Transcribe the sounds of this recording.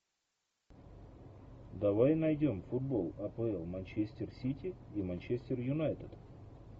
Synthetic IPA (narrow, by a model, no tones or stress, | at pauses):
d̪ɐvajnɐjdʲo̞mfʊd̪̚bo̞lˠɐpɨɛlˠmɐnʲt͡ɕesʲtʲɪrsʲitʲɪimɐnʲt͡ɕesʲtʲɪrjʊnajt̪ət̪